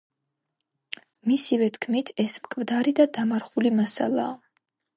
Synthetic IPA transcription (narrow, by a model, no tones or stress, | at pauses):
misivɛt̪ʰkʰmit̪ʰɛsmkʰʼmd̪aɾid̪ad̪amaɾχulimasa̰lˠa̰ː